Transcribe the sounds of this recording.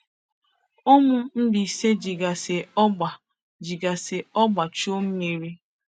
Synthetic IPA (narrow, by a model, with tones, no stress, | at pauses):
o˦mʊ˦m̩˦di˨i˨se˦d͡ʒi˨ɡa˨se˨ɔ˦ɡ͡ba˨ | d͡ʒi˨ɡa˨se˨ɔ˦ɡ͡ba˨t͡ʃo˦m̩˦me˨ɾi˦